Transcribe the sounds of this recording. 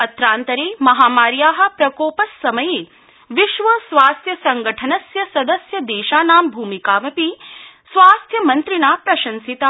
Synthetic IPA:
ɐt̪ɾaːnt̪ɐɾeːmɐɦaːmaːɾjaːɦɐ̆pɾɐkoːpɐsːɐmɐjeː | ʋiʃʋɐsʋaːst̪ʰjɐsɐŋɡɐʈʰɐnɐsjɐsɐd̪ɐsjɐd̪eːʃaːnaːmbʱuːmikaːʋɐpi | sʋaːst̪ʰjɐmɐnt̪ɾinaːpɾɐʃɐnsit̪a

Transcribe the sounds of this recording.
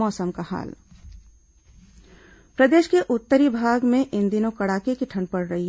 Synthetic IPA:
ɔːsəmkaha̰ːl | pɾɐd̪eːʃkeʔʊt̪ːəɾibʱaːɡmẽʔɪ̃nd̪inokɐɽaːkekiʈʰɐ̃ɳpɐɽɾɐɦiɦ

